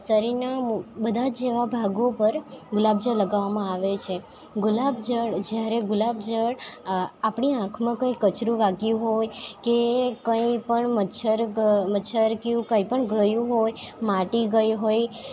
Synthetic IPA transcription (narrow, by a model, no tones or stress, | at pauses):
səɾinabəd̪ʱad͡ʒeʋabʱaɡopəɾɡʊlab̚d͡ʒələɡaʋamãaʋet͡ʃʰe | ɡʊlabd͡ʒəɽd͡ʒjaɾeɡʊlabd͡ʒəɽapɽiãkʰmãkə̃ikət͡ʃɾũʋaɡjũɦojkekəipəɳməʃʰəɾmətːʃʰəɾkiũkə̃ipəɳɡəjũɦojmaʈiɡəjɦoj